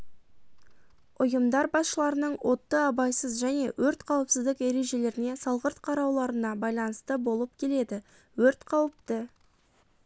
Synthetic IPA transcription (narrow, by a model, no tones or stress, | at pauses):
ʊjəmd̪ɑɾbɑsʃəlˠɑɾənəɴwʔo̞t̪ːəɑbɑjsəzʒæne̞̰wɵɾt̪qʰɑwəpsɪzd̪ɪke̞ɾe̞ʒe̞le̞ɾɪne̞sɑlˠʁəɾt̪qʰɑɾɑwlˠɑɾənɑbɑjlˠɑnəst̪əbo̞lˠəp̚kʲʰe̞le̞d̪ɪ | wɵɾt̪qʰɑwəp̚t̪ə